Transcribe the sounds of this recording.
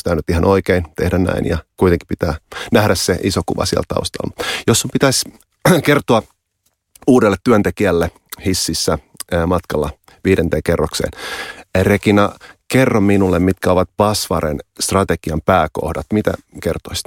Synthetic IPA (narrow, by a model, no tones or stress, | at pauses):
sit̪æynyt̪ihɑnʔoikeint̪ehdænnæ̰injɑkuit̪eŋki̥pit̪æːnæhdæsseʔisokuʋɑ̰siɛ̰lt̪ɑ̰ust̪ɑ̰lːmjosːumpit̪æs | kert̪oɑ | uːdelːet̪tyønt̪ekiælːe | hisːisːæ | mɑt̪kɑlːɑ | ʋiːdent̪eːkerːoksḛːnrekinɑkerːomminulːemmit̪kæoʋɑt̪̚pɑsʋɑɾenst̪rɑt̪eɡ̥iɑmpæːko̰hdɑt̪mit̪æ̰kert̪ois